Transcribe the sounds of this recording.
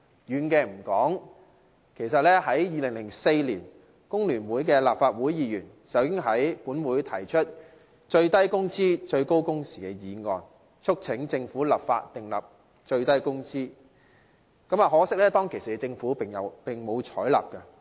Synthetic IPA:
jyː˨˩nkɛː˧m̩˨˩kɔː˨˥ŋ | kʰe˨˩js̬ɐ˨t̚lɛː˥hɐ˨˥jjiː˧lɪ˨˩ŋlɪ˨˩ŋse˧jliː˨˩n | kʊ˥ŋlyː˨˩nwuː˨˥jkɛː˧la̰ː˨p̚faː˧t̚wuː˨˥jjiː˨˧jyː˨˩n | sɐ˨˩wkɪ˥ŋɦɐ˨˥jpuː˨˥nwuː˨˧jt̪ʰɐ˨˩jt͡ʃʰɵ˥t̚ | t͡ʃɵ˧ɥt̪ɐ˥jkʊ˥ŋt͡siː˥t͡ʃɵ˧ɥko˥wkʊ˥ŋsi̥ː˨˩kɛ˧jiː˨˥ŋɔː˧n | t͡ʃʰʊ˥k̚t͡sʰɪ˨˥ŋt͡sɪ˧ŋfuː˨˥lɐ̰˨p̚fa̰ː˧t̚t̪ɪ˨ŋlɐ̰˨p̚ | t͡ʃɵ˧ɥt̪ɐ˥jkʊ˥ŋt͡siː˥ | kɐ˨˥maː˨˩ɦɔː˨˥sɪ˥k̚lɛː˥t̪ɔː˥ŋkʰe˨˩jsiː˨˧t͡sɪ˧ŋfuː˨˥pɪ˨˩ŋjɐ˨˧wpɪ˨ŋmo˨˧wt͡ʃʰɔː˨˥jlɐ̰˨p̚kɛ˧

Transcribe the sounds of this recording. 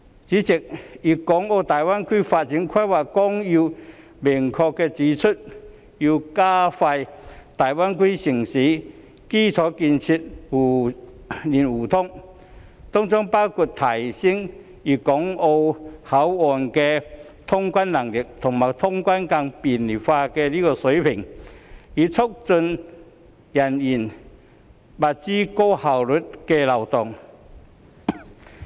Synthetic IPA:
t͡si˨˦˥t͡ɕi˨˩k̚ji˨˩kɔ˨˧˥ŋo˧wt̪aː˨˩jwa˦˥nkʰwiː˥faː˧t̚t͡ɕi˨˥nkʰa˥jwa˨˩kkɔ˥ŋji˧ | mi˨˩ŋkʰɔ˧kːɛ˧t͡siː˨˦t͡sʰʊ˥t̚ | ju˧kaː˦˥fa˧jt̪aː˨˩jwa˥nkwiː˥si˨˩ŋsiː˨˦ | ki˥˩t͡sʰɔ˨˧˥ki˧nt͡ɕʰi˧t̚hu˨˩ | ni˨˩nuː˨˩t̪ʰʊ˥ŋ | t̪ɔ˥ŋt͡sɔ˥ŋpa˥wkʰu˧˩t̚t̪ʰa˨˩jsi˥ŋ | i˨˩kɔ˨˦ŋo˧wha˨˦wɔ˨˩nke˧ | t̪ʰʊ˥ŋkwa˦nla˨˩ŋli˨˩k̚t̪ʰʊ˨˩ŋma˨˩t̪ʰʊ˥ŋkwa˦˥nka˧ŋpi˨˩nli˨˩faː˧kɛ˧li˥kɔ˧se˨˦jpʰi˨˩ŋ | i˨t͡sʰʊ˥k̚t͡sʊ˧n | ja˨˩ni˨˩n | ba˨t̚t͡ɕi˦˥ko˥ha˨˩wlʊ˨˥t̚kɛ˧la˨˩wt̪ɔ˨˩ŋ

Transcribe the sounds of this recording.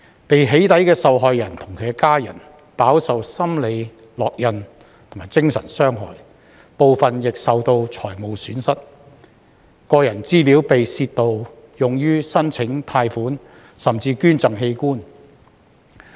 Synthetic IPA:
pe˨jɦe˨˥jt̪ɐ˨˥jkɛː˧sɐ˨wɦɔː˨jjɐ˨˩nt̪ʰʊ˨˩ŋkʰe˨˧kaː˥jɐ̰˨˩n | paː˨˥wsɐ˨wsɐ˥mle˨˧j | lɔː˨k̚jɐ˨n | t̪ʰʊ˨˩ŋmaː˨˩jt͡sɪ˥ŋsɐ̰˨˩nsœː˥ŋɦɔ̰ː˨˩j | po˨wfɐ˨njɪ˨k̚sɐ˨wt̪o˧wt͡ʃʰɔː˨˩jmo˨˧wsyː˨˥nsɐ˥t̚ | kɔː˧jɐ˨˩nt͡siː˥piː˨˥wpe˨jsiː˧tt̪o˨w | jʊ˨ŋjyː˥sɐ˥nt͡sʰɪ˨˥ŋt̪ʰaː˧jfuː˨˥n | sɐ˨˩mt͡siː˧kyː˥nt͡sɐ˨ŋɦe˧jkuː˥n

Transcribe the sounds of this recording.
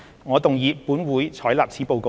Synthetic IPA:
ŋɔː˨˧t̪ʊ˨ŋjiː˨˧pːuː˨˥nwuː˨˥jt͡sʰɔː˨˥jlaː˨p̚t͡sʰiː˨˥po˨wko˨

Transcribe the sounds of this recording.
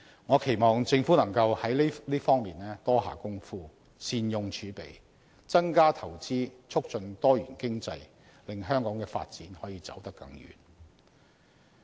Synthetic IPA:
ŋɔː˨˧kʰe˨˩jmɔː˨ŋt͡sɪ˧ŋfuː˨˥nɐ˨˩ŋkɐ˧whɐ˨˥jlliː˥fɔː˥ŋmiː˨nlɛː˥t̪ɔː˥ɦa̰ː˨˧kʊ˥ŋfuː˥ | siː˧njʊ˧ŋt͡ʃʰyː˨˧pe˨˩j | t͡sɐ˥ŋkaː˥t̪ʰɐ˨˩wt͡siː˥t͡sʰʊ˥k̚t͡ʃɵ˧nt̪ɔː˥jyː˨˩nkɪ˥ŋt͡sɐ˧j | lɪ˨ŋɦœː˥ŋkɔː˨˥ŋkɛː˧fa̰ː˧t̚t͡siː˨˥nhɔː˨˥jiː˨˧t͡sɐ̰˨˥wt̪ɐ˥kːɐ˨˥ŋjy̰ː˨n

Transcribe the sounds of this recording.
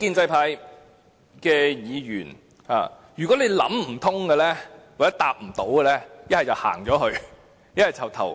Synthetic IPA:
kiː˧nt͡sɐ˧jpʰaː˧˥j | kɛː˧jiː˨˧jy̰ː˨˩n | ha̰ː˨˧ | jyː˨˩kɔ˨˥ne˨˧jlɐ̰˨˥mm̩˨˩t̪ʰʊ˥ŋkɛ˧lɛː˥wa˨˩t͡sɛː˦˥t̪aː˧p̚m̩˨˩t̪o˨˥wɡɛ˧lɛː˥jɐ˥t̚hɐ˨jt͡sɐ˨˩wha̰ː˨˩ŋt͡ʃɔː˨˥ɦɵ˧ɥ | jɐ˥t̚hɐ˨˩jt͡sʰɐ˨˩wt̪ʰɐ̰˨˩w

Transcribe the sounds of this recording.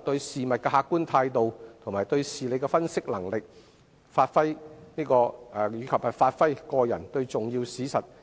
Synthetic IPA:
t̪ɵ˧ɥsiː˨mɐ˨t̚kɛː˧ɦaː˧kːuː˥nt̪ʰaː˧jt̪o˨wt̪ʰmaː˨jt̪ɵ˧ɥsiː˨le˨˧jkɛ˧fɐ˥nsɪ˥k̚lɐ˨˩ŋlɪ˨k̚ | faː˧t̚fɐ˥jniː˥kɔː˧˨jyː˨˧kʰɐ˨p̚hɐ˨jfaː˧t̚fɐ˥jkɔː˧jɐ̰˨˩nt̪ɵ˧ɥt͡sʊ˨ŋjiː˧wsiː˨˥sɐ˨t̚

